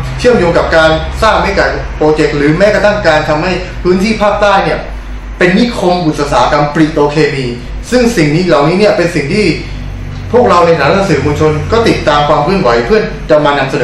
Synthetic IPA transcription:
t͡ɕʰɯ˥˩əmjoː˧ŋka˨˩p̚kaː˧nsaː˥˩ŋma˦˥˩ka˨˩ | poː˧t͡ɕe˨˩k̚ɾɯː˩˦mɛː˦˥ka˧t̪ʰa˥˩ŋkaː˧nt̪ʰa˧mha˥˩j | pʰɯː˦˥nt̪ʰiː˥˩pʰaː˥˩p̚t̪aː˥˩jni˥˩ɐ | pe˧nːiː˥˩kʰo˧ŋʔu˨˩t̪̚ːa˧saː˩˦ka˧mpɾi˨˩t̪oː˧kʰeː˧miː˧ | sɯ˥˩ŋsi˨˩ŋniː˦˥la˨˩wniː˦˥ni˥˩ɐəpe˧nsi˨˩ŋt̪ʰiː˥˩ | pʰu˥˩ək̚ɾa˧wna˧jt̪ʰːn˧sɯ˩˦muː˧nt͡ɕʰo˧nkɔː˥˩t̪i˨˩t̪ːaː˧mkʰwaː˧mkʰɯ˥˩ənwa˩˦jpʰɯ˥˩ə | da˧wmaː˧na˧msa˧nɤː˩˦

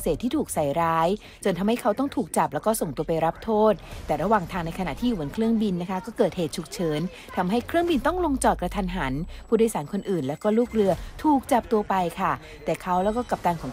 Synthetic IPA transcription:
seː˨˩t̪ʰːiː˥˩t̪ʰuː˨˩k̚sa˩jɾaː˦˥j | t͡ɕo˧nt̪ʰa˧mha˥˩jkʰa˦˥wt̪ɔ˥˩ŋt̪ʰuː˨˩k̚t͡ɕa˨˩p̚lɛː˦˥wkɔː˥˩so˨˩ŋt̪u˧ɐpa˧jɾa˦˥p̚t̪ʰoː˥˩t̪̚t̪ːɛː˨˩ɾa˧waː˨˩ŋt̪ʰaː˧ŋna˧jkʰa˧na̰˨˩ʔt̪ʰiː˥ju˨u˨˩˦nkʰɾɯ˥˩əŋbi˧nːa˦˥kʰa˦˥kɔː˥˩kɤː˨˩t̪̚heː˨˩t̪̚t͡ɕʰu˨˩k̚t͡ɕʰɤː˨˦n | t̪ʰa˧mɦa˥˩jkʰɾɯ˥əŋbi˧nt̪ɔ˥˩ŋlo˧ŋt͡ɕɔː˨˩t̪̚kɾa˧t̪ʰa˧nɦa˩˦npʰuː˥˩du˥˩˨jsaː˩˦nkʰo˧nʔɯː˨˩nlɛː˦˥wkɔː˥˩luː˥˩k̚ɾɯ˧ɐt̪ʰuː˨˩k̚t͡ɕa˨˩p̚t̪u˧ɐpa˧jkʰa˥˩ | t̪ɛː˨˩kʰa˦˥wlɛː˦˥wkɔː˥˩ka˨˩p̚t̪aː˧nkʰɔː˩˦ŋ

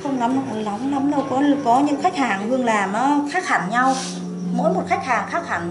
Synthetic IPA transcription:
xə˧wŋ͡mna˨˦m˨˧˨la˨˦ŋ͡mla˨˦mɗə˧wkɔ˨˦lkɔ˨˦ɲɨ̰˧˥ŋxa˦˥k̟̚haː˨˩ŋvɨ˧əŋlaː˨˩mʔɔː˨˦xaː˦˥k̚haː˨˧˩ŋɲa˧w | məː˨˦jmo˨˩t̚xa˦˥k̟̚haː˨˩ŋxaː˦˥k̚ha̰˧˩ŋ̟

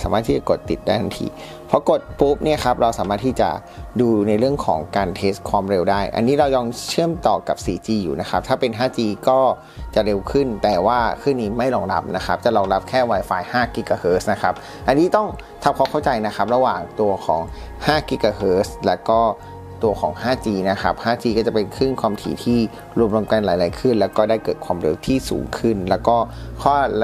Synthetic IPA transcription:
saː˨˦maː˥˩iː˥˩t͡ɕa˨˩ko˨˩t̪ːi˨˩t̪̚daː˥˩jnʰa˨˧nt̪ʰḭː˧ | pʰɔ˦˥ko˨˩t̪̚puː˦˥p̚ni˥˩ɐkʰa˦˥p̚ɾa˧wsaː˩˦maː˥˩t̪ʰiː˥˩t͡ɕa̰˨˩ | duː˧na˧jɾɯ˥˩əŋkʰɔ̰ː˩˦ŋkaː˧nt̪ʰeː˦˥skʰwaː˧mɾe˧wdaː˥˩jʔa̰˧nːiː˦˥ɾa˧wjɔː˧ŋt͡ɕʰɯ˥˩əmt̪ɔː˨˩ka˨˩p̚siː˨˦t͡ɕiː˧jṵː˨˩na˦˥xʰa˦˥p̚t̪ʰaː˥˩pe˧nɦaː˥˩t͡ɕiː˧kɔː˥˩ | t͡ɕa˨˩ɾe˧wkʰɯ˥˩nt̪ɛː˨˩waː˥˩kʰɯː˥˩niː˧˩ma˥˩jlɔː˧ŋla̰˦˥p̚na˦˥kʰa˦˥p̚t͡ɕa˨˩lɔː˧ŋla˦˥p̚kʰɛː˥˩waː˧jfaː˧jhaː˥˩kiː˧˥kaː˧hɤː˦˥sna˦˥kʰa˦˥p̚ | ʔa˧nːiː˦˥t̪ɔ˥˩ŋ | t̪ʰa˧p̚kʰɔː˧˥˩kʰa˥˩wt͡ɕa˧jna˦˥kʰa˦˥p̚ɾa˧waː˨˩ŋt̪u˧ɐkʰɔ̰ː˩˦ŋ | haː˥˩kiː˧˦kaː˧hɤː˦˥slɛ˦˥wkɔː˥˩ | t̪u˧ɐkʰɔ̰ː˩˦ŋhaː˥˩t͡ɕiː˧na˦˥kʰa̰˦˥p̚haː˥˩t͡ɕiː˧kɔː˥˩t͡ɕa˨˩pe˧nkʰɯ˥˩ŋkʰwaː˧mt̪ʰḭː˨˦t̪ʰiː˥˩ | ɾu˧əmɾa˧mka˧nlaː˨˦jlaː˨˦jkʰɯ˥˩nlɛː˦˥wkɔː˥˩daː˥˩jkɤː˨˩t̪̚kʰwaː˧mɾe˧wt̪ʰiː˥˩sṵː˩˦ŋkʰɯ˥˩nlɛː˦˥wkɔː˥˩kʰɔː˥˩

